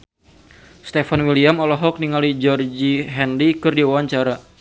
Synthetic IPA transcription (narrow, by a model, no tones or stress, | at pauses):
st̪efanwiliamɔlɔɦɔk̚niŋalid͡ʒɔrd͡ʒiɦɛndikɨrdiwawaɲt͡ʃaɾa